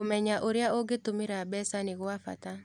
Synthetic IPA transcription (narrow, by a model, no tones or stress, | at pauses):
omɛɲaʔoɾejaʔoɡetomɪɾabɛsanɪɣoafa̰ta